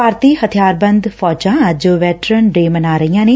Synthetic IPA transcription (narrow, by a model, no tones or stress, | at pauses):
aːɾt̪iːhət̪ʰɪjaːɾbənd̪pʰɔːt͡ʃãːd͡ʒoːʋɛːʈɾənɖeːmənaːɾəijãːneː